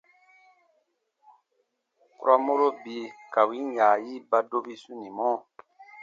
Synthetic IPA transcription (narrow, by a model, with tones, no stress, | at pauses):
ku˦ɾa˦mo˦ɾo˦bi˨˦ka˨wi˨˦ja˨ji˦ba˦do˦bi˦su˦ni˨mɔ˦˨